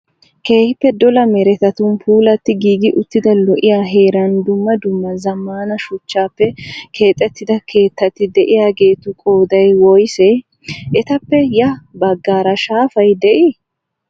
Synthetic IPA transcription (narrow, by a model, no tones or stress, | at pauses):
ke̞ːhɪpːɛd̪ɔlɐmɛɾɛt̪ɐt̪ʊnpuːlɐt̪ːɪɡiːɡɪʔʊt̪ːɪd̪ɐlɔʔɪjaːɦe̞ːɾɐnd̪ʊmːɐd̪ʊmːɐzɐmːaːnɐʃʊt͡ʃːaːpːɛkʰe̞ːt̪ʼːɛt̪ːɪd̪ɐkʰe̞ːt̪ːɐt̪ːɪd̪ɛʔɪjaːɡe̞ːt̪ʊkʼo̞ːd̪ɐjwɔjsɛ | ʔɛt̪ɐpːɛjɐbɐɡːaːɾɐʃaːfɐjd̪ɛʔɪ